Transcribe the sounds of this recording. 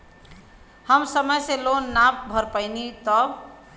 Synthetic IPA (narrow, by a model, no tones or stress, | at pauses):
həmsəməjselonːap̚bʱəɾpəɪnit̪ɔ